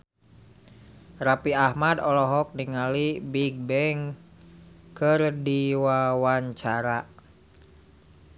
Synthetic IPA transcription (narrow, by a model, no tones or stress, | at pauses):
rapiahmadɔlɔɦɔk̚niŋalibiɡ̚bɛŋ | kɨrdiwawaɲt͡ʃaɾa